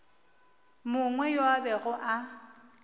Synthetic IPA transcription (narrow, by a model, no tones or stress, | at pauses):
mʊŋwɛjoabɛɣʊʔa